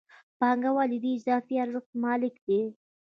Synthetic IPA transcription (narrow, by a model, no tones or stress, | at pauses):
pɑŋɡawɑlɪd̪iːd͡ʒzɑfiaɾʒʊχt̪mɑlɪkd̪e